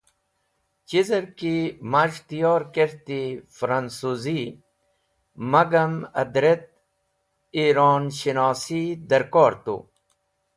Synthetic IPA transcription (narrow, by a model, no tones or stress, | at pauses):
t͡ɕizɐɾkimaʐt̪ijoːɾkeɾt̪ifɾɐnsuzi | mɐɡɐmɐ̰d̪ɾet̪̚ | iɾoːnɕinɑːsid̪ɐɾkoːɾt̪ṵ